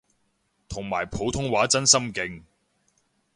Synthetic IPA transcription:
t̪ʰʊ˨˩ŋmaː˨˩jpʰo˨˧wt̪ʰʊ˥ŋwaː˨˥t͡sɐ˥nsɐ˥mkɪ˧ŋ

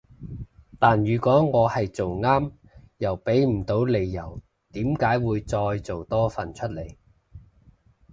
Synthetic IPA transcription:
t̪aː˨njyː˨˩kʷɔː˨˥ŋɔː˨˧hɐ˨jt͡so˨wŋaː˥m | jɐ˨˩wpe˨˥jm̩˨˩t̪o˨˥wle˨jːɐ˨˩w | t̪iː˨˥mkaː˨˥jwuː˨˧jt͡sɔː˧jt͡so˨wt̪ɔː˥fɐ˨˩nt͡ʃʰɵ˥t̚le˨˩j

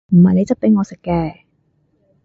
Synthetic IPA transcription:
m̩˨˩hɐ˨jne˨˧jt͡sɐ˥p̚p̪e˨˥jŋɔː˨˧sɪ˨kːɛː˧

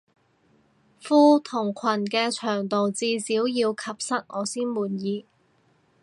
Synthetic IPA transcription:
fuː˥t̪ʰʊ˨˩ŋkʷʰwɐ˨˩nkɛː˧t͡ʃʰœː˨˩ŋt̪o˨wt͡siː˧siː˨˥wjiː˧wkʰɐ˨p̚sɐ˥t̚ŋʔɔː˨˧siː˥nmuː˨njiː˨˧

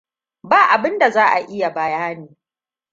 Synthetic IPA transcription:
baː˦˨ʔa˨bɪ˦nda˨zaː˦ʔa˨ʔɪ˦ja˨bɐ˨jaː˦niː˨

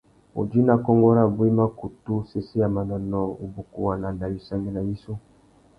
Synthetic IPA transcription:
o̰˨d͡ʒi˦na˨kɔ˦ŋɡɔ˦ɾa˦˨bu˦i˦ma˦ku˨tu˦se˦se˦ja˨ma˨nɔ˨nɔ˨o˨bu˨ku˨wa˨na˨na˨wi˨sa˦ŋɡe˦na˨ji˦so˦

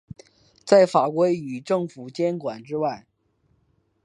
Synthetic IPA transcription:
t͡sa˥˩ɪfa˨˩kwe˥ɪy˨˩ʈ͡ʂɤ˥˩ŋfu˨˩t͡ɕjɛ˥nkwa˨˩nʈ͡ʂɻ̩˥wa˥˩ɪ

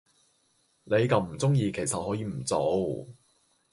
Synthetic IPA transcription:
ne˨˧jkɐ˨˧wm̩˨˩t͡sʊ˥ŋjiː˧kʰe˨˩jsɐ˨t̚hɔː˨˥jiː˧m̩˨˩t͡so˨˧w

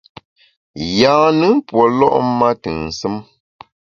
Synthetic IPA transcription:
jaː˨˦nɨ˦pwɔ˨lɔ̰˦ʔma˦tɨ˨ŋn̩˨sɨ˦m

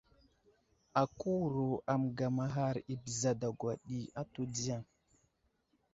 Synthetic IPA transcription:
a˨ku˦wɾo˨a˨mɡa˨ma˨ɦa˦˨ɾi˨bə˨za˨da˨ɡwa˨ɗi˨a˦to˦di˦ja˦˨ŋ

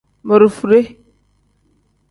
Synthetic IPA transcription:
mə˨ɾu˨fu˨ɾe˦

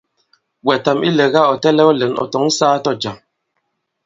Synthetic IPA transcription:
wɛ˨ta˨mi˦le˨ɣa˦˨ɔ˨tɛ˦lɛ˦ɔ˦le˨˦nɔ̰˨tɔ˨˦ŋ˦saː˦tɔ˦˨d͡ʒa˨ŋ

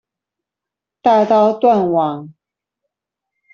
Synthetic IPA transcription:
t̪a˥˧t̪ɑ˥˧ʊt̪wa˥˩nwɑ˨˩˦ŋ

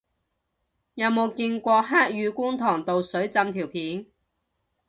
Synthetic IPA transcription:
jɐ˨˧wmo˨˧wki˧nkʷɔː˧ɦaː˥k̚jyː˨˧kuː˥ŋt̪ʰɔː˨˩ŋt̪o˨˧wsɵ˨˥ɥt͡sɐ˧mt̪ʰiː˨˩wpʰiː˨˥n

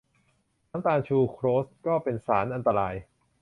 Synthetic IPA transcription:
aː˩˦mt̪aː˧ŋt͡ɕʰuː˧kʰɾoː˦˥st̪̚kɔː˥˩pe˧nsaː˩˦nʔa˧nt̪a˧ɾaː˧j

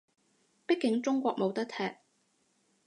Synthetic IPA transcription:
pɪ˥kːɪ˨˥ŋt͡sʊ˥ŋkʷɔː˧k̚mo˨˧wt̪ɐ˥k̚t̪ʰɛː˨k̚

